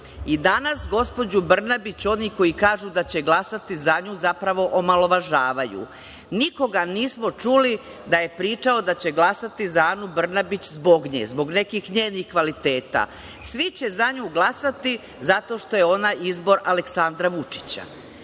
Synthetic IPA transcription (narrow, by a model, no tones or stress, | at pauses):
id̪anasɡo̞spo̞d͡ʑubr̩nabit͡ɕo̞niko̞jikaːʒud̪at͡ɕe̞ɡlˠasat̪izaɲuːzapɾaʋo̞ʔomalo̞ʋaʒaːʋajṵ | niko̞ɡaniːsmot͡ʃuli | d̪aje̞pɾiːt͡ʂao̞d̪at͡ɕe̞ɡlˠasat̪izaaːnubr̩nabit͡ɕzbo̞ɡɲḛzbo̞ɡne̞kixɲe̞ːnixkʋalit̪e̞ːt̪a̰ | sʋit͡ɕe̞zaɲuːɡlˠasat̪i | zat̪o̞ʃt̪o̞jeo̞najizbo̞ɾale̞ksand̪ɾaʋut͡ʃi̥t͡ɕa̰